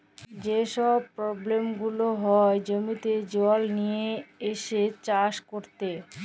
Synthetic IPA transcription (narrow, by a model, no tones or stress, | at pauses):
d͡ʑeʃɔb̚pɾɔblemɡuloɦɔed͡ʑomit̪ed͡ʑɔlnijeeʃet͡ɕaʃkoɾt̪e